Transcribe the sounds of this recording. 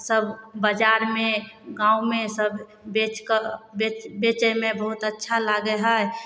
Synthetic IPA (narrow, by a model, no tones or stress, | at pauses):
səbʱbəd͡ʒaːɾmẽɡãːumẽsəbʱ | bet͡ʃkebet͡ʃəmẽbəɦʊt̪ətːʃʰalaɡəɦɛ